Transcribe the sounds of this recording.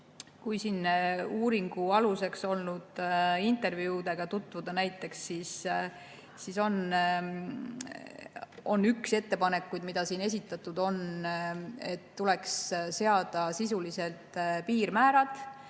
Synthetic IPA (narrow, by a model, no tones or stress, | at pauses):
kujsiːnuːɾiŋɡ̥uɑluse̞kso̞lnud̪̥int̪ˑe̞rvjud̪e̞ɡ̥ɑt̪ut̪ːˑvud̪̥ɑnæjt̪ːˑe̞ksːis | siso̞n | o̞nːykse̞t̪ːe̞pɑne̞kːujd̪mid̪̥ɑsiːne̞s̬it̪ːˑɑt̪ːˑud̪o̞n | e̞̰t̪ːule̞ksse̞ɑd̪̥ɑsisulise̞lt̪piːɾmæːɾɑd̪̥